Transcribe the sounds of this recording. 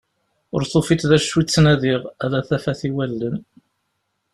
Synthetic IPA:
ʊ̰ɾθofit͡s̪ðæʃːit͡sːnæðiʁæðæθæfæθiwælːən

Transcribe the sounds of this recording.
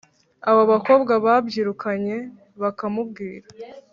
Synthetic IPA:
aβoβako̞ːbɡaβabɟiːɾukaɲe̞ | βakamubɡiːɾa

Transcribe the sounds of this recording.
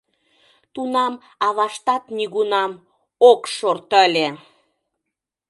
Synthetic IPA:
t̪unɑm | ɑβɑʃt̪ɑt̪niɣunɑm | okʃort̪əlʲe

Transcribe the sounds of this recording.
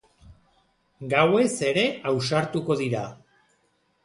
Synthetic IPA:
ɡawe̞se̞ɾe̞awsaɾt̪uko̞ðiɾa

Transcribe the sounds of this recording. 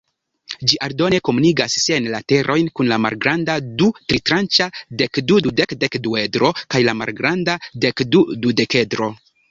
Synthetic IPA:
d͡ʒiʔaɾdo̞ne̞ko̞muniɡasːiajnlate̞ɾʔo̞jnkunlama̰lɡɾandadutɾitɾant͡ʃade̞kdududekde̞kdue̞dɾo̞kajlama̰lɡɾandade̞kdudude̞ke̞dɾo̞

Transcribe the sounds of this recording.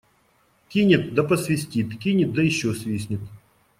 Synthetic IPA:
kʲinʲɪt̪̚d̪ɐpəsvʲɪsʲtʲit̪kʲinʲɪt̪̚d̪əjɪɕːosʲvʲisʲnʲɪt̪

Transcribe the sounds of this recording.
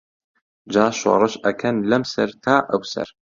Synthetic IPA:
d͡ʒaːʃwɑ̰ɾˤɨʃʔɐkʰɐnlɐmsɐ̰ɾt̪ʰaːʔɐwsɐ̰ɾ

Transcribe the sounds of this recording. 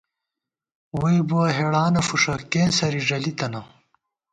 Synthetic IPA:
wujbuɐɦeɽaːnɐfuʂɐkeːnsɐɾiʐɐlit̪ɐnɐ

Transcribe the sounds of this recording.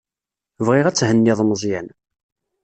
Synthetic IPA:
vʁiʁæt͡sːhənːiðˤmzˤjæn

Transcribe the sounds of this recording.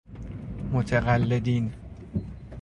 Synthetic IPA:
mot̪ʰeɣælːed̪iːn

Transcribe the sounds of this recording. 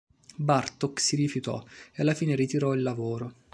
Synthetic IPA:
bart̪oksiɾifjut̪ɔ̰ealːafiːneɾit̪iɾɔilːavoːɾo

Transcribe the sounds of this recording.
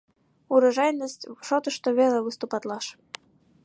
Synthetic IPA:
uɾɑʒɑjnəsʲtʲʃot̪ə̆ʃt̪oβʲeləvɨst̪upɑt̪lˠɑʃ

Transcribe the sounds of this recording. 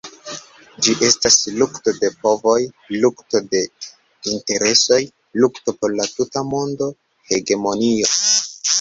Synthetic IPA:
d͡ʒiʔe̞staslukto̞de̞po̞vo̞j | lukto̞de̞ | inte̞ɾe̞so̞j | lukto̞po̞ɾlatutamo̞ndo̞ | he̞ɡe̞mo̞nio̞

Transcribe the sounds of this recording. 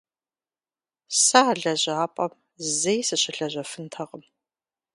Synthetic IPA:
saɮɐʑaːpʼɐm | zejsɨɕɪɬɐʑɐfɨntʰɐʁəm

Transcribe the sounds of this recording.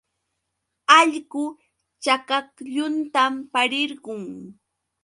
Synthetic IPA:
aʎɢʊ | t͡ʃakakʎʊnt̪ampaɾɪɾɢʊŋ

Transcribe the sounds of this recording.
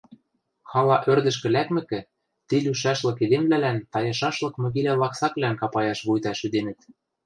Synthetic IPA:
xɑlɑʔørd̪ɘ̆ʃ̬kɘ̆lækmɘ̆kɘ̆ | t̪ilyʃ̬æʃlɤ̆ked̪emblælænt̪ɑjɤ̆ʃɑʃlɤ̆kmø̆ɣilʲælɑksɑklænkɑpɑjɑʃβujt̪ɑʃyd̪enɘ̆t̪

